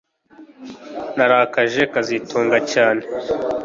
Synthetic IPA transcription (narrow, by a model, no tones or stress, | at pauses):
naɾakaʒekazitʰuːŋɡacaːne